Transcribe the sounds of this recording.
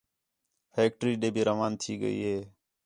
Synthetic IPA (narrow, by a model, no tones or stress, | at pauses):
heːk̚ʈɾiːɗeːbʱiːɾəʋaːnt̪ʰiːɡə̰ḭːɦeː